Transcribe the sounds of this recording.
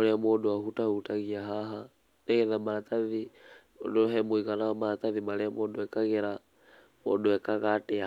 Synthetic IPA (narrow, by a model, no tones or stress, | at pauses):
lɛamɔdɔahutahutaɣiaɦaɦa | nɛɣɛðamaat̪aði | ɔ̰dɔɦɛmuiɣanamat̪aðimalɛamɔdɔɛkaɣɛɾa | mɔ̰dɔɛkaɣatɛa